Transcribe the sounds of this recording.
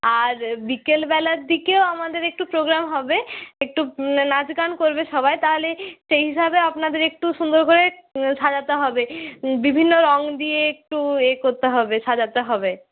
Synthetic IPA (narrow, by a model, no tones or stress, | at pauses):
aɾbikelbɛlaɾd̪ikeoamad̪eɾek̚ʈupɾoɡɾamɦɔbeek̚ʈunad͡ʑɡankoɾbeʃɔbajt̪aɦoleʃejɦiʃabeapnad̪eɾek̚ʈuʃund̪oɾkoɾeʃad͡ʑat̪eɦɔbebibʱinːoɾɔŋd̪ieek̚ʈuekoɾt̪eɦɔbeʃad͡ʑat̪eɦɔbe